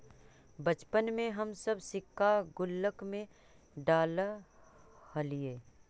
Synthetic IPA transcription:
bət͡ʃpənmẽɦɐmsəbsɪkːaɡʊlːəkmẽ | ɖaːlə | həlieː

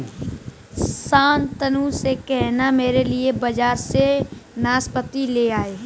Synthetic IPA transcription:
saːnt̪ənusekɛɦnameːɾeliebɐd͡ʒaːɾsenaːspət̪ileaːeː

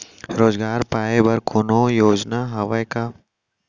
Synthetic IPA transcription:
ɾoːzɡaːɾpaːebɐɾkʰʊnoːjoːd͡ʒnaɦɐʋəka

